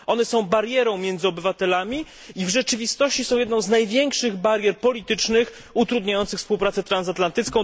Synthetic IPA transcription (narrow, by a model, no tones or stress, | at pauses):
ʔɔnɛsɔ̃w̃baɾjɛɾɔ̃w̃mʲjɛnd̪zɘɔbɘvat̪ɛlamʲi | ivʐɛt͡ʂɘvʲist̪ɔɕt͡ɕisɔ̃w̃jɛd̪nɔ̃w̃znajvʲjɛŋkʂɘɣbaɾjɛɾpɔlʲit̪ɘt͡ʂnɘx | ut̪ɾud̪ɲajɔnsɘxfspuwpɾat̪sɛt̪ɾansat̪lant̪ɘt̪skɔ̃